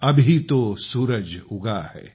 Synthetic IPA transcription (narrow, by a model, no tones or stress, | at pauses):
ɐbʱit̪osuːɾəd͡ʒʊɡahɛ̰ː